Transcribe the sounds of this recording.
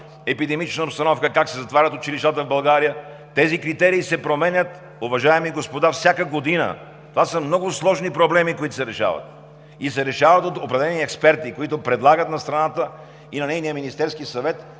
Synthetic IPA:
ɛpid̪ɛmit͡ʃnəopst̪ɐnɔfkəkaksɛzɐt̪vaɾʲət̪ʊt͡ʃiliʃt̪at̪əvbɐlˠɡaɾijə | t̪ɛzikɾit̪ɛɾiːsɛpɾomɛnʲət̪ | ʊvɐʒaɛmiɡospod̪afsʲjakəɡod̪inə̰ | t̪ovasəmnɔɡʊslˠɔʒnipɾoblɛmikoit̪ʊ̥sɛɾɛʃa̰vɐ̰t̪̚ | isɛɾɛʃavɐt̪ot̪opɾɛd̪ɛlɛniɛkspɛɾt̪ikoit̪ʊpɾɛd̪lˠaɡət̪nɐst̪ɾɐnat̪ə | inɐnɛjnijəminist̪ɛɾskisɐvɛt̪

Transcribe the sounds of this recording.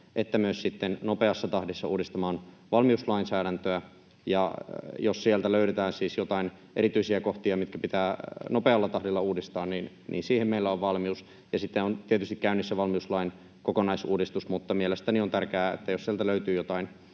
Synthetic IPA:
ʔet̪ːæmyøssit̪ːennopeɑsːɑt̪ɑhdisːɑuːdist̪ɑmɑːn | ʋɑlmiuslɑinsæːɾænt̪øæ | jɑjossielt̪æløyɾet̪æːnsiːsjot̪ɑin | ʔeɾit̪yisiækoht̪iɑmit̪kæpit̪æːnopeɑlːɑt̪ɑhdilːɑuːdist̪ɑːnniːn | nḭːnsiːhemmeilːæoʋʋɑlmius | jɑsit̪ːeont̪iet̪yst̪ikæynːisːæʋɑlmiuslɑin | kokonɑisuːdist̪usmut̪ːɑmielest̪æniont̪ærkeæːḛt̪ːæjossielt̪æløyt̪yːjot̪ɑin

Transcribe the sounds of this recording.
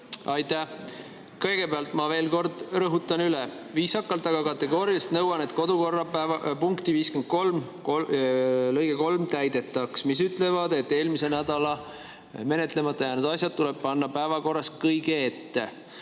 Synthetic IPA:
ɑjt̪æ | kɤjɡ̥e̞beɑlt̪ˑmɑve̞ːlko̞rd̪̥rɤɦut̪ːˑɑnylɛ | viːsɑkːˑɑlt̪ːɑɡ̥ɑkɑt̪ːˑe̞ɡo̞ːɾiɑst̪nɤwɑne̞t̪ko̞d̪uko̞rːɑpuŋkt̪iviːskend̪̚ko̞lm | lɤjɡ̥eko̞lmt̪æjd̪e̞t̪ːˑɑksmis̬yt̪ːˑlevɑd̪̥e̞t̪ːe̞ːlmise̞næd̪̥ɑlɑ | me̞net̪ˑle̞mɑt̪ːˑɑjɑnud̪ɑs̬ʲjɑd̪̚t̪ːulɛb̥̚pɑnːɑpæevɑko̞rːɑskɤjɡeet̪ːe̞

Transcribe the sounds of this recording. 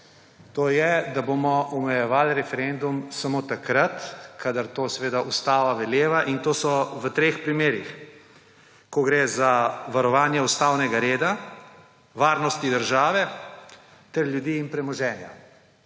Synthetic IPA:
t̪oːjɛd̪abomɔʔɔmɛjɛʋaːlɾɛfɛɾend̪umsamoːt̪akɾat̪kʰad̪aɾt̪oːsɛʋeːd̪aʔust̪aːʋaʋɛljeːʋaʔint̪oːsɔʋət̪ɾeːxpɾimeːɾix | kɔɡɾeːzaʋaɾɔʋaːnjɛust̪aːwnɛɡaɾeːd̪a | ʋaːɾnɔst̪id̪əɾʒaːʋɛ | t̪ɛɾlʲjud̪iːnpɾɛmɔʒɛːnja̰

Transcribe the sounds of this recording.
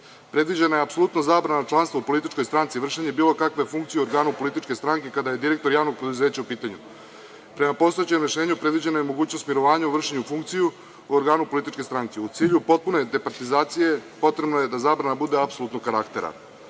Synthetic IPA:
pɾe̞d̪ʋid͡ʑenajeapso̞lut̪no̞zaːbɾanat͡ʂlˠanst̪ʋaupo̞lit̪it͡ʃko̞jst̪ɾant̪siʋr̩ʃeɲebiːlˠokakʋajefuŋkt̪sijuoɾɡaːnupolit̪it͡ʃke̞st̪ɾaŋke̞kad̪aje̞d̪iɾe̞k̚t̪oɾjaːʋno̞ɡ̚pɾe̞d̪uze̞ːt͡ɕaupiːt̪aɲu | pɾe̞mapo̞st̪oet͡ɕemɾeʃe̞ːɲupɾe̞d̪ʋid͡ʑe̞najemo̞ɡuːt͡ɕnost̪miɾo̞ʋaːɲauʋr̩ʂeɲufuŋk̚t̪siju | uoɾɡaːnupo̞lit̪it͡ʃkoest̪ɾaŋk̪eut̪siːʎupo̞t̪̚pune̞d̪epaɾt̪izaːt̪sije̞po̞t̪ɾebnojed̪azaːbɾanabud̪e̞apso̞lut̪nokaɾakt̪eɾa̰

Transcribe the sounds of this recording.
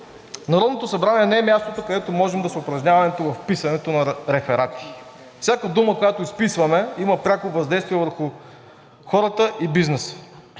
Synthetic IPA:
nɐɾɔd̪not̪osɐbɾaniɛnɛɛmʲjast̪ot̪okɐd̪ɛt̪omɔʒɛmd̪ɐsɛʊpɾɐʒnʲavɐnɛt̪ovɐfpisɐnɛt̪onɐɾɛfɛɾat̪i̥ | fsʲjakəd̪uməkojat̪oispisvɐmɛiməpɾʲakovɐzd̪ɛjst̪viɛvəɾxu | xɔɾət̪əʔibiznɛsə̥

